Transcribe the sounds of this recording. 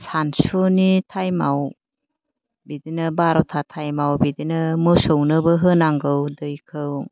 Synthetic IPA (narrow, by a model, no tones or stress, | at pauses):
sansunitʰajmaw | bidinɯbaɾotʰatʰajmawbidinɯmɯsəwnɯbɯɦɯnaŋɡɯwdɯjkʰɯw